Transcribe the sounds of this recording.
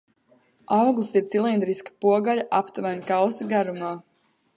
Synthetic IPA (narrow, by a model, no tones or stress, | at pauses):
awɡlˠisiɾt̪silˠind̪ɾiskḁpuɔɡaʎaʔapt̪uvanʲkawsiɡaɾumaː